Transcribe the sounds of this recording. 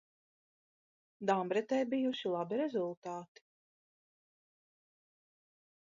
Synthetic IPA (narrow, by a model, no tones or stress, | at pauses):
d̪ambɾɛt̪ɛːbijuʃilˠabiɾɛzulˠt̪aːt̪i̥